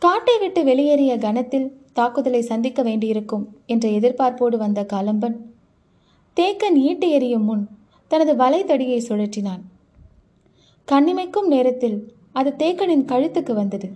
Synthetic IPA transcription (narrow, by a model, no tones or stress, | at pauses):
kaːʈːɐɪʋɪʈːɯʋɛɭɪjɐɾɪjɐɡɐnɐt̪ːɪlt̪aːkɯðɐlɐɪsɐnd̪ɪkːɐʋeːɳɖɪjɪɾɯkːɯmɛndrɐɛðɪɾpaːɾpoːɽɯʋɐnd̪ɐkɐlɐmbɐn | t̪eːkːɐniːʈːɯjɐɾɪjɯmːʊn | t̪ɐnɐðɯʋɐlɐɪt̪ːɐɽɪjɐɪsɔɻɐʈːɪnaːn | kɐɳːɪmɐɪkːɯmneːɾɐt̪ːɪl | ɐðɯt̪eːkːɐnɪnkɐɻɯt̪ːɯkːɯʋɐnd̪ɐðɯ